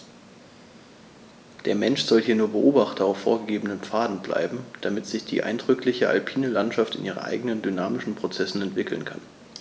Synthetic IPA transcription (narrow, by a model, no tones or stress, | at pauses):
d̥eːɐmɛnʃz̥ɔlhiːɐnuːɐbəʔoːbaχtɐaʊfːo̰ːɐɡəɡeːbənənp͡faːdn̩bla̰ɪbm̩d̥amɪtz̥ɪçd̥ḭːʔa̰ɪndʁʏklɪçəʔa̰lpʰiːnəlantʃaftɪnʔiːʁə̰nʔa̰ɪɡənəndynaːmɪʃn̩pʁ̥ot͡sɛsn̩ɛntv̥ɪkl̩nkʰa̰n